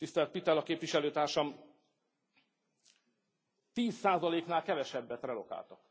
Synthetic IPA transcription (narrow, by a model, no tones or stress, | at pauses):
t̪ist̪ɛlt̪̚pit̪ɛlɒkeːpviʃɛløːt̪aːrʃɒm | t̪iːsːaːzɒleːknaːlkɛvɛʃɛbːɛt̪rɛlo̞ka̰ːlt̪ɒk